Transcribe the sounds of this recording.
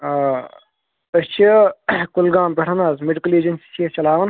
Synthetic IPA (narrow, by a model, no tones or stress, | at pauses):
ɐst͡ʃʰikulɡaːmpʲeʈʰɐnaːzmeɖikɐleːd͡ʒɐnsi̥sʰit͡ʃɐlaːʋɐn